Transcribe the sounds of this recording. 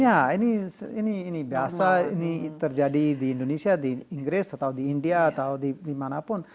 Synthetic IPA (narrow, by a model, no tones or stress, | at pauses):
aenienienibjaːsaɪniit̪əɾd͡ʒaːɖid̪iɪ̃ɳɖonesijad̪iɪ̃ŋɡɾeːsɐt̪ad̪iɪɳɖijat̪ad̪id̪imaːnapʊn